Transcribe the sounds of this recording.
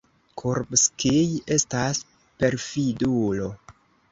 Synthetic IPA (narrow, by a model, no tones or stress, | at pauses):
kʰuɾbskije̞stas | pe̞ɾfidulo̞